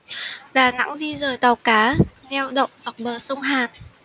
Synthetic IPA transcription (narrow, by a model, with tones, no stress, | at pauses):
ɗaː˨˩na̰˧˥ŋzi˧zəː˨˩jt̪aː˨˩wkaː˨˦ | nɛ˧wɗə̰˧˨wŋ͡mzɔ˨˩k͡p̚ɓəː˨˩sə˧wŋ͡mɦaː˨˩n